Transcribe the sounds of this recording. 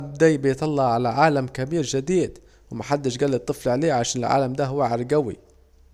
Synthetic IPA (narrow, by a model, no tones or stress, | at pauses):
b̚d̪ajbɪjt̪ɑlːɑʕalaʕaːlamkabiːɾʒɪd̪iːd̪ | wmaħad̪ːɪʃɡalːɪt̪ˤːɨflʕaleːʕaʃaːnɪlʕa̰ːlamd̪aɦʊwːaʕaɾɡawḭ